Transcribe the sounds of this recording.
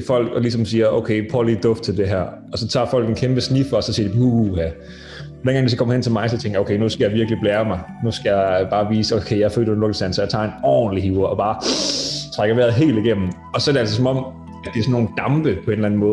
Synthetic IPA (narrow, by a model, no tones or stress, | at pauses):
fɒ̽l̰ɡ̥ɒ̽lis̬ɒ̽msiːɐʔoʊkʰeɪpʰʁoliːd̥ɔf̚t͡sʰeld̥e̝ɦæɐ̰ | ɒ̽sɒ̽t͡sʰɑ̈ːfɒ̽l̰ɡ̥enkʰemb̥əsnifɒːsɒ̽siːɐdipuhæ | denɡ̥ɑŋdisɒ̥kɒ̽mɐhent͡sʰe̝lmɑ̈ɪsɒt͡sʰeŋɡ̥ɐoʊkʰeɪnusɡ̥æjɑ̈ʋiɐɡ̥lib̥leːɐmɑ̈ɪ | nusɡ̥æjɑ̈ɪb̥ɑ̈ːʋiːsokʰeɪjɑ̈fø̰ːlenlɔ̽ɡ̥l̩sænsɒjaɪt͡sʰɑ̰̈ːe̝nɒ̰ːnliɦiːʊɐɒb̥ɑ̈ː | t͡sʰʁaɡ̥ɐʋeɐð̩ˠɦe̝̰ːld̥iɡ̥em̰n̩ | ɒ̽sɒ̽æɐɾe̝æls̬ɒsɒ̽mɒ̽m̰ | æd̥eɐsɔnːo̝ːn̩d̥ɑ̈mb̥əpʰɒ̽e̝nlæn̩mɔ̽ːð̩ˠ